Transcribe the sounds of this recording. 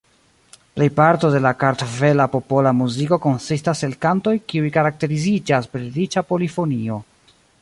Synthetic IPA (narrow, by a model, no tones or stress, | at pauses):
ple̞jpaɾto̞de̞lakaɾt̪ove̞lapo̞po̞lamuziko̞ko̞nsistase̞lkanto̞jkiujkaɾak̚te̞ɾizid͡ʒaspeɾit͡ʃapo̞lifo̞nio̞